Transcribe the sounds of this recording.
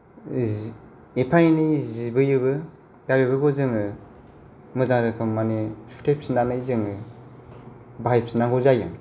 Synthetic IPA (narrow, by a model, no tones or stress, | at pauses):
epʰajnɯjzibɯjɯbɯ | dabebɯɡɔzɯŋɯ | mɯzaŋɾɯkʰɯmːanesu̥tʰep̚sinanɯjzɯŋɯ | bajp̚sinaŋɡɔzajɯ̰